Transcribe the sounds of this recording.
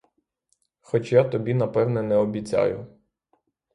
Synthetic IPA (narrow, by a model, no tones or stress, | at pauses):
xɔt͡ʃjat̪ɔbʲinɐpɛwnɛnɛɔbʲit͡sʲa̰jʊ